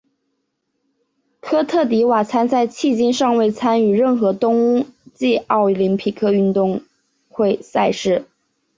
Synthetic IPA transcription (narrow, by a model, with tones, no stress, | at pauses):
kʰɤ˥t̪ʰɤ˥˩t̪̬i˧˥wa˨˩t͡sʰa˥nt͡sa˥˧ɪt͡ɕʰi˥˩t͡ɕi˥nʂɑ˥˧ŋwe˥˩ɪt͡sʰa˥ny˨˩ɻə˥˩nxɤ˧˥t̪ʊ˥ŋu˥t͡ɕi˥˧ɑ˥˩ʊli˧˥npʰi˨˥˩kʰɤ˥˧y˥˧nt̪ʊ˥˧ŋ | xwe˥˧ɪsa˥˧ɪʂɻ̩˥˩